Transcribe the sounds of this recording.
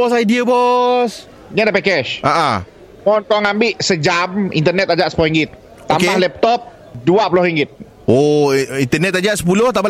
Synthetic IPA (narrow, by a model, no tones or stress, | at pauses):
bɔsajdiabɔs | ɲadapɛkɛʃaʔa | mɔnkɔŋambɪʔsəd͡ʒamḭnt̪ərnɛt̪ad͡ʒaʔsə̥puloɾiŋɡɪt̪̚ː | oamkehlɛp̚t̪ɔp̚ | duaʔpulɔhɾiŋɡɪt̪̚ | oint̪ərnɛt̪ad͡ʒaʔsə̥pulʊht̪ama